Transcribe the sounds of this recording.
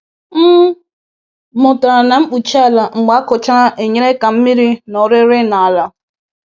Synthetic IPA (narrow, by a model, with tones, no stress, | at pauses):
m̩˦ | mʊ˨ta˨ɾa˨na˨ŋ͡m̩˦k͡pu˨t͡ʃa˨la˨ŋ͡m̩˨ɡ͡ba˨˦kʊ˨t͡ʃa˦na˦ʔe˨ɲe˦ɾe˦ka˨m̩˦mi˦ɾi˦nɔ˨ɾɪ˦ɾɪ˦na˨a˨la˨